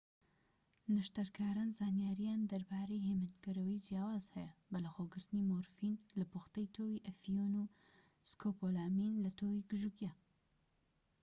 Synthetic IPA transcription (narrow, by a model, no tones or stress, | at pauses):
nɐʃt̪ɐɾkʰaːɾaːnzaːnjaːɾijaːnd̪ɐɾbaːɾejɦemɨnɡɐɾəwid͡ʒjaːwaːz̥hɛjɐbɐlɐxoɡɨɾt̪ɨnimoɾfinlɐboxt̪ɐjt̪ʰowiʔɐfijonu | skʰopolaminlɐt̪ʰowiɡɨʒukja